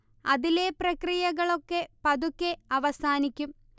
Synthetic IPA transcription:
ɐðile̞prɐkrijɐɣɐɭo̞kːe̞pɐðukʲːe̞ɐʋɐsaːnikʲːum

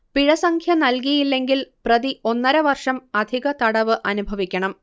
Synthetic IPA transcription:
piɻɐsɐŋkʰjɐnɐlkijilːe̞ŋɡilprɐðiʔo̞nːɐɾɐʋɐrʂɐmɐd̪ʱiɣɐt̪ɐɽɐʋɨʔɐnubʱɐʋikʲːɐɳɐm

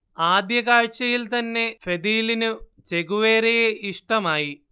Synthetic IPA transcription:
aːd̪jɐkaːɻt͡ʃejilt̪ɐnːeːpʰed̪iːlinu | t͡ʃeɡuʋeːɾejeʔiʂʈɐmaːji

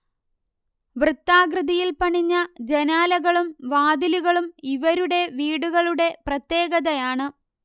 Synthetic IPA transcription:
ʋrɨt̪ːaːɡrɨðijilpɐɳiɲːɐd͡ʑenaːlɐɣɐɭumʋaːd̪iluɣɐɭumiʋɐɾuɽe̞ʋiːɽuɣɐɭuɽe̞prɐt̪je̞ːɣɐðɐjaːɳɨ

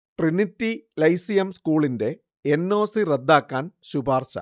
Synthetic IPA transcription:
ʈrinitːilɐjsijɐmskuːɭinde̞ | enːo̞ːsired̪ːaːkːaːnɕubʱaːrɕɐ̰

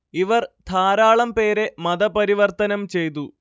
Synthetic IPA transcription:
iʋɐrt̪ʰaːɾaːɭɐmpe̞ːɾe̞mɐðɐpɐɾiʋɐrt̪ɐnɐmt͡ɕe̞jt̪̬u

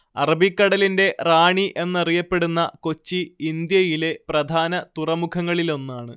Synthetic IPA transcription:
ɐrɐbikːɐɽɐlinde̞raːɳiʔe̞nːɐrijɐpːe̞ɽunːɐko̞t͡ɕːiind̪jɐjile̞prɐd̪ʱaːnɐt̪urɐmukʰɐŋːɐɭilo̞nːaːɳɨ

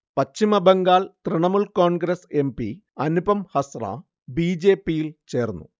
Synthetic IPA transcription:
pɐt͡ɕːimɐbeŋɡaːlt̪riɳɐmuɭkoːɳɡɾɐse̞mbḭ | ɐnubɐmhɐsra̰ | biːd͡ʑeːpːijilt͡ɕe̞ːrnːṵ

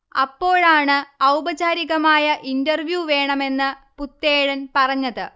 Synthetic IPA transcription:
ɐ̰pːo̞ːɻaːɳɨɐwbɐd͡ʑaːɾiɣɐmaːjɐʔindɐrʋjuʋe̞ːɳɐme̞nːɨput̪ːeːɻɐnpɐrɐɲːɐðɨ

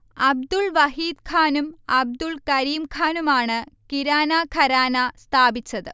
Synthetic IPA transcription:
ɐb̚d̪uɭʋɐɦiːd̪̚kʰaːnumɐb̚d̪uɭkɐɾiːmkʰaːnumaːɳɨkiɾaːnaːkʰɐɾaːnast̪ʰaːbit͡ɕːɐðɨ

